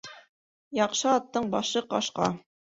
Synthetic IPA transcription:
jɑqʃɤɑt̪ːɤɴbɑʃɤqɑ̰ʃqɑ̰

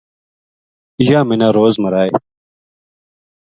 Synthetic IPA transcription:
iʑaːminaːɾoːzmɐɾaːe

